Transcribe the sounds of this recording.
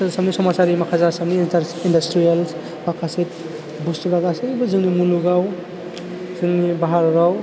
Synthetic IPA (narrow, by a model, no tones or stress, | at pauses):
sɐmnisɔmasaɾimakʰazasɐmniindɐstɾials | bakʰasit̚ | bustuɾaɡasiɾibuzɯŋnimuluɡaw | zɯŋnibaɦaɾɾaw